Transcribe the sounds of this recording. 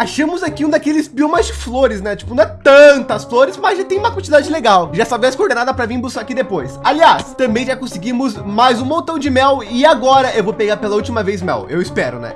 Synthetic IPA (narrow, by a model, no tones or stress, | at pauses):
aʃɐ̃mʊzakiũd̪akelɪzbiomɐzd͡ʒɪfloɾɪsnɛt͡ʃi̥pʊnɐ̃ɛt̪ɐ̃t̪ɐsfloɾɪsmɐzʒat̪ẽj̃ũmɐkwɐ̃nt͡ʃid̪ad͡ʒɪleɡawʒasavɛsɪkoɾd̪ẽnad̪ɐpɾɐvĩbʊzakid̪epojsaliast̪ɐ̃mbẽj̃ʒakõsɪɡĩmʊzmajzũmõnt̪ɐ̃w̃d͡ʒɪmɛwɪaɡɔɾɐewvowpeɡaɾpelɐuwt͡ʃimɐvejsmɛ̰wḛwɪspɛɾʊ̰nɛ̰̃